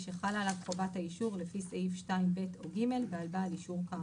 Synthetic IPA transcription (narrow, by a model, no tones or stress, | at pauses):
ʃeχalalavχovataiʃuʁlefiseifʃtaimbetʰo̞ɡime̞lbealbaːliʃuʁka